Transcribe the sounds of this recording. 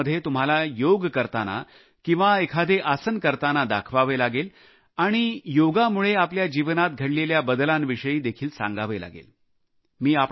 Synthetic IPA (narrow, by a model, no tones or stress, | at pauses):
əd̪ʱːjet̪um̤alajoɡkəɾt̪ana̰ | kĩw̃ʋaekʰad̪ʱeʔasənkəɾt̪anad̪akʰʋaʋelaɡel | aɽ̃ijoɡamuɭeapljad͡ʑiʋənat̪̚ɡʱəɽleljabəd̪əlanʋiʂəiːd̪ekʰiːlsa̰ŋɡaʋela̰ɡḛl | miːap